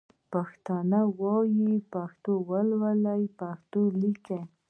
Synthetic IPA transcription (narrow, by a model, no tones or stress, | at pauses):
paxt̪ɑnawojipaxt̪owalwalajpaxt̪olike